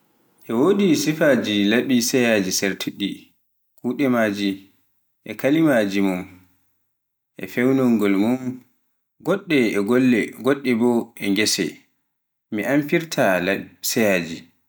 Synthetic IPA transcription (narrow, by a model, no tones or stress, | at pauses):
ʔɛwoːdisifad͡ʒilaɓisɛjad͡ʒiseɾtʰiɗːi | kʰuːɗɛmaːd͡ʒi | ʔɛkalimad͡ʒimum | ʔɛ̰fɛwnɔŋɡɔlmum | ɡɔɗːɛɛɡɔlːɛɡɔɗːɛbɔʔɛŋɡɛsɛ̰ | miʔamfiɾtʰalsɛjaːd͡ʒi